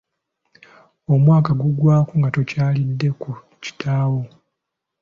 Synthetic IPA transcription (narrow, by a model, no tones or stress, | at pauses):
omwaːkaɡuɡwaːkuŋɡatocaːlidːe̞ku | ci̥tʰaːwo